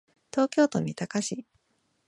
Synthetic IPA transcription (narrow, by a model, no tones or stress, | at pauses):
t̪o̞ːkʲo̞ːt̪o̞m̟ʲit̪akaɕi